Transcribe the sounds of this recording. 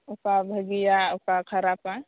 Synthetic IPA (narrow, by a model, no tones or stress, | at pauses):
ukabʱəɡijaʊkakʰəɾapa